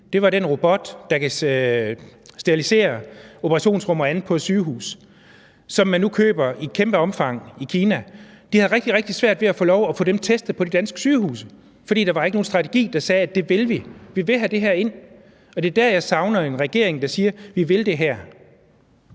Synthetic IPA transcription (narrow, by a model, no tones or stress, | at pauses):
d̥e̝ʋɑ̈denʁob̥ɒ̽d̥ːɑ̈kʰæ | sd̥eʁilise̝̰ːɐo̝pʰəʁɑ̈ɕo̝̰ːnsʁɔ̽mɐænð̩ˠpʰɒ̥̽syːɦṵːs | sɒ̽mːænːukʰø̰ːb̥ɐikʰemb̥əɒ̽mfɑ̈ŋ̰ikʰiːnæd̥ihæðˠʁɛɡ̥̚d̥iʁɛɡ̥̚d̥isʋæɐ̰d̥ʋe̝æfɔ̰ːlɒʊæfɔ̰̽ːd̥emt͡sʰesd̥ð̩ˠpʰɒ̽d̥e̝d̥ænsɡ̥ə̥syːɦṵːsə | fɒ̽d̥ḭːd̥ɑ̈ʋɑ̈e̝ɡ̥əno̝ːn̩sd̥ʁɑ̈t͡sʰe̝ɡ̥ḭːd̥ɑ̈sɛːædd̥e̝ʋelʋiʋiʋe̝lɦæd̥e̝ɦæɐ̰e̝n̰ | ɒ̽d̥e̝ɐd̥æɐ̰jɑ̈ɪsɑ̈ʊnɐe̝nʁɛɡ̥e̝ɐ̰eŋd̥ɑ̈siːɐʋiʋe̝ld̥e̝ɦæɐ̰